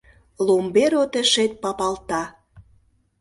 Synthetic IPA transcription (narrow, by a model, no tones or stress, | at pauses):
lombeɾot̪ə̆ʃet̪̚pɑpɑlt̪ɑ